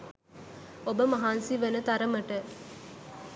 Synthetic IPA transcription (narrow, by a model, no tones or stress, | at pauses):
obəmɐɦaːnsiʋɐnət̪ɐɾəməʈə